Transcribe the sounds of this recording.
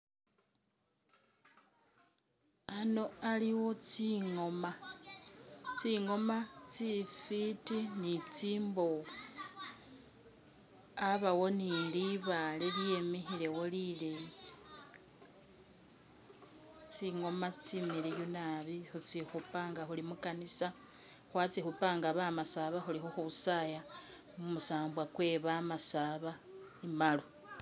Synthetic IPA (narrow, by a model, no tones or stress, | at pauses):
ano̞aliwo̞t͡siŋo̞ma | t͡siŋo̞mat͡sifitinit͡siːmbofu | aβawo̞nindiβaleljje̞mexile̞wolilej | t͡siŋo̞mat͡simiɾejunaβixut͡sixupaːŋɡaxulimukanisa | xwat͡sixupaŋɡaβamasaβaxulixuxuusaja | mumusaːmbwakwe̞ːβamasaβa | imalo